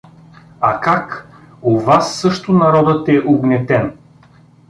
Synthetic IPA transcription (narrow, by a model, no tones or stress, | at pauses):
akak | ovasːɤʃt̪ʊnaɾɔd̪ət̪ɛʔoɡnɛt̪ɛn